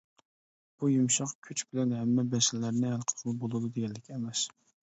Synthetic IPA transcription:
b̥ujumʃɑqkʲʰyt͡ʃb̥ɪlɛnɦɛmːɛbɛsɪlːæɾnɪhælˠqʰə̥qʰʊlˠbolˠɨd̪ud̪eɡʲɛlːɪkʲʰiɛmɛs

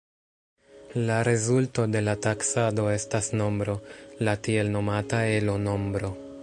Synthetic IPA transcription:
laɾe̞zulto̞de̞lataksado̞e̞stasno̞mbɾo̞latie̞lno̞matae̞lo̞no̞mbɾo̞

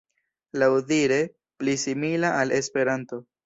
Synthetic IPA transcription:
lawdiɾe̞ | plisimilaʔale̞spe̞ɾanto̞

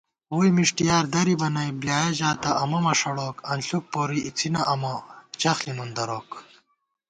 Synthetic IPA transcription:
uːjmiʂʈijaːɾd̪ɐɾibɐnɐjbljaːjɐʑaːt̪ɐʔɐmɐmɐʂɐɽoːkɐnɬuk̚poːɾiʔit͡sʰinɐʔɐmɐt͡ɕɐxlinund̪ɐɾoːk

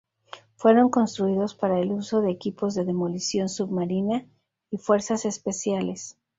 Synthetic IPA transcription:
fwe̞ɾo̞ŋko̞nst̪ɾuiðo̞spaɾae̞luso̞ðe̞ːkipo̞zðe̞ðe̞mo̞lisjo̞nsuβmaɾina | ifwe̞ɾsase̞spe̞sjale̞s

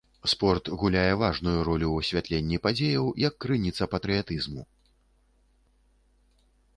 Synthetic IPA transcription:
spɔrt̪ɣulʲajɛvaʐnujuɾɔlʲuɐsʲvʲat̪lʲenʲːipad͡zʲejɐwjɐkːɾɨnʲit̪sɐpɐt̪ɾɨjat̪ɨzmu

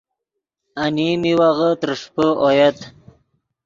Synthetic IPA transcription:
animiwaɣət̪əɾʂpəʔojat̪

